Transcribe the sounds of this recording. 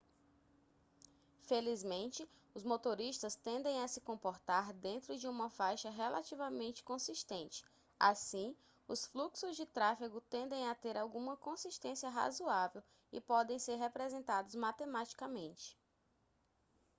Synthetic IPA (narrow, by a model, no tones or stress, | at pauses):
felizmẽnt͡ʃɪ | ʊzmot̪oɾiʃt̪ɐst̪ẽnd̪ẽj̃asɪkõmpoɾt̪aɾd̪ẽnt̪ɾʊd͡ʒɪũmɐfajʃɐɦelʔat͡ʃivɐmẽnt͡ʃɪ̥kõsiʃt̪ẽnt͡ʃɪ̥ | asĩ | ʊsfluksʊzd͡ʒɪt̪ɾafiɡʊt̪ẽnd̪ẽj̃at̪eɾawɡũmɐkõsiʃt̪ẽsiɐɦa̰zuavew | ɪ̰pɔd̪ẽj̃seɾɦepɾezẽnt̪ad̪ʊzmat̪emat͡ʃi̥kamẽnt͡ʃɪ̥